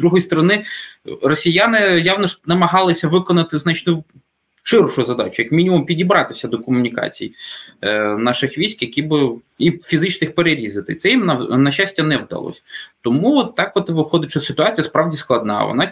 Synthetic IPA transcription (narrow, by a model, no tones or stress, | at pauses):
d̪ɾuɦɔjst̪ɔɾɔnɪrɔsʲijanɪjawnɔʃnɐmɐɦɑlˠɪsʲɐʋɪkɔnɐt̪ɪzat͡ʃtʲnʊ | t͡ʃɪrʃʊzɐd̪a̰t͡ʃʊjɐkmʲinʲimʊmpʲidʲibɾɑt̪ɪsʲɐd̪ɔkɔmʊnʲikɑ̰t͡sʲḭj | nɑʃɪxʋʲisʲkjɐkʲibɪ | ifʲizɪt͡ʃnɪxpeɾeɾʲizɪt̪ɪ̰t̪sɛjimnɐnɐɕasʲtʲɐnɛwd̪ɐ̰lˠɔ̰sʲɐt̪ɔmuɔt̪ːɑkʋɔt̪ɪʋɪxɔd̪ɪt͡ʃɔsʲsɪt̪ʊat͡sʲijɐspɾɑʋdʲisklˠɐd̪nɑ̰ʋɔ̰nɑ